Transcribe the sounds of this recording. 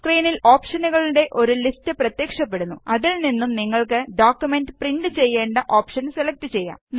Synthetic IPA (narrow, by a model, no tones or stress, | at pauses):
skriːniloːpʂɐnuɣɐɭuɽe̞ʔo̞ɾulistɨprɐt̪jeːkʂɐpːe̞ɽunːuɐðilninːumniŋːɐɭkɨɖoːkʲjume̞nɖɨpriɳɖɨt͡ɕe̞jːe̞ːɳɖɨʔoːpʂɐnselɐk̚tɨt͡ɕe̞jːa̰ː